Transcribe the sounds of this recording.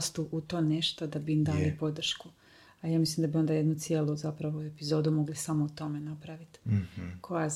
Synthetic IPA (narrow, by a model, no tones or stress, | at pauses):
st̪uʔut̪o̞ːne̞ʃt̪od̪abiimd̪aːlipo̞d̪r̩ʃku | ajaːmislimd̪abio̞nd̪aje̞d̪nut̪sije̞luzapɾaʋoepizo̞ːd̪umo̞ɡlisamout̪o̞me̞napɾaʋit̪kʰo̞ja